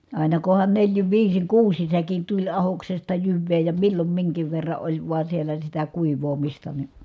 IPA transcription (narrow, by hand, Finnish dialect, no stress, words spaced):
ɑˑinɑ kohɑn neljin ʋiːsiŋ kuːsin̞ sækin tulʲ ɑhoksestɑ jyʋːeː jɑ milːom miŋkiʋ ʋerːɑ ʔolʲ ʋoɑ sielːæ sitæ kuiʋˑoːmistɑ ni